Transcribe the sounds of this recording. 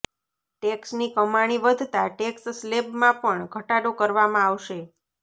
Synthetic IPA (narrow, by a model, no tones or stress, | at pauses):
ʈeksnikəmaɽ̃iʋəd̪ʱt̪aʈeksslebmãpəɳɡʱəʈaɽokəɾʋamãaʋʃe